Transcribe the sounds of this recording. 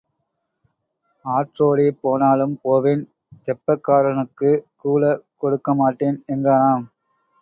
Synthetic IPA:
aːʈroːɽipoːnaːɭɯmpoːʋeːn | t̪ɛpːɐkːaːɾɐnɯkːɯkuːlɐkɔɽɯkːɐmaːʈːeːnɛnɡaːnaːm

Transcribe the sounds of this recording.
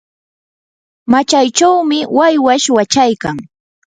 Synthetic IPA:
mat͡ʃajt͡ʃawmɪwajwaʃwat͡ʃajkaŋ

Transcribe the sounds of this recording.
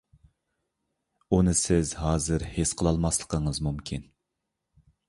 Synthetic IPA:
unɨsɪzɦɑːzɨɾhesqʰəlˠɑlˠmɑslˠə̥qʰəɴəzmumkʲʰin

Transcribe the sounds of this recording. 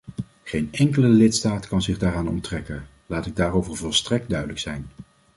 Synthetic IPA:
χejnɛŋkələlɪtstaːtkɑnzɪχdaːɾaːnɔ̰ntrɛkən | laːtɪɡ̚daːrowvəɹvɔlˠstrɛk̚d̚dœɥdələksɛ̰jn

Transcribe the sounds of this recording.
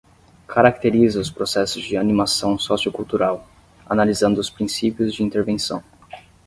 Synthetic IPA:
kʰaɾakt̪eɾizɐʊspɾosɛsʊzd͡ʒɪanimasɐ̃w̃sɔsiʊkuwt̪uɾaw | analizɐ̃nd̪ʊʊspɾĩsipjʊzd͡ʒɪĩnt̪eɾvẽsɐ̃w̃

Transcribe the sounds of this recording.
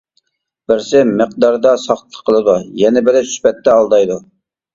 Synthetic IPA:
b̥ɪɾsɪməq̚d̪ɑɾd̪ɑsɑχt̪ʰːə̥qʰːəlˠɨd̪ujɛnɪbɪlɪsy̥pɛt̪ːɛɑlˠd̪ɑjd̪u

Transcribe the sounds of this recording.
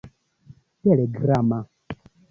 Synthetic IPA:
tɛlɛɡɾama

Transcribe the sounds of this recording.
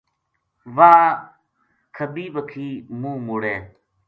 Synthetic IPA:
ʋaː | kʰəbiːʋəkʰiːmũːmʊɽeː

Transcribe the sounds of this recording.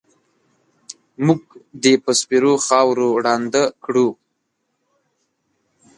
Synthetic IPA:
muɡd̪epəspiɾoxɑwɾoɽɑnd̪əkɽu

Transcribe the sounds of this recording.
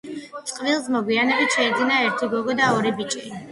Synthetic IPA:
tsʼqʼvilˠsmɔɡwianɛbit̪ʃɛid̪zinaɛɾt̪ʰiɡɔɡɔd̪aɔɾibit͡ʃʼi

